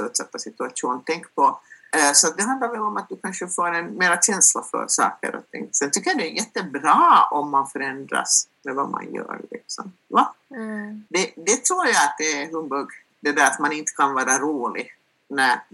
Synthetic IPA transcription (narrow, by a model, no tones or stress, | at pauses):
ɵt̪sɛt̪ːasɪt̪ʉaʂuːnt̪ʰɛŋkpʰɔsɔat̪̚d̪ɛɦand̪laɾvɛlɔmat̪̚d̪ɵkʰanʂəfoːɾɛnmeːɾaɕɛnsla̰fœ̰ɾsɑ̰ːkə̰ɾɔ̰t̪ʰɪ̰ŋːsɛnt̪ʰʏkːəjad̪ɛːjɛt̪ːəbɾɑːɔmːanfœɾɛnd̪ɾa̰smɛva̰ma̰njœ̰ːɾɭɪ̰ksɔ̰m | va | d̪ɛd̪ɛt̪ʰɾuːɾjaat̪̚d̪ɛɦɵmbɵɡ | d̪ɛd̪æɾat̪manɪnt̪ə̥kʰanvɑːɾaɾuːlɪ | næɾ